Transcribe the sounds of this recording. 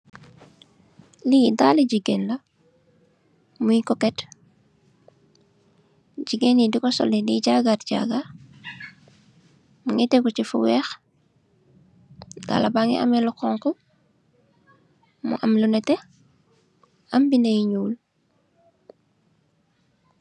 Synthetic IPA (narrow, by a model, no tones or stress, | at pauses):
lidaːliɟiɡenlɐ | mujikɔkɛt | ɟiɡenidikɔsɔ̰lidiɟaɡatɟa̰ɡa | muŋɛtɛkɔcifṵwɛːx | da̰ːlɐbaːŋɛ̰ʔɐ̰mɛlɔkɔːŋkɔ | mṵʔɐmlunɛtɛ | ʔɐmbinɐjiɲuːl